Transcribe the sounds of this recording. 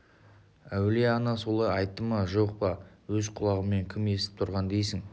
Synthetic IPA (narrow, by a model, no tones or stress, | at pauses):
æwleɑnɑsolˠɑjɑjt̪ːəmɑʒo̞q̚pɑ | wɵzqʰʊlˠɑʁəmːe̞ŋkʲʰɪme̞st̪ɪ̥p̚t̪ʰʊɾʁɑnd̪e̞jsɪŋ